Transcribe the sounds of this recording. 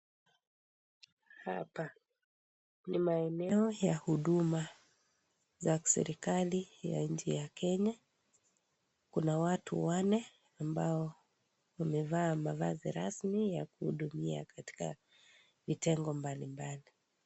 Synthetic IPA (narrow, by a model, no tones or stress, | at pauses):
hapa | nimaɛnɛɔjahuɗuma | zḁsɛ̰ɾikalija̰ɲ̩d͡ʒijakʰɛɲa | kunawatṵwanɛ | ambaɔ | wamɛvaːmava̰zḭɾasmijakuhṵɗumia̰kati̥ka̰ | vitɛŋɡɔmbalimbali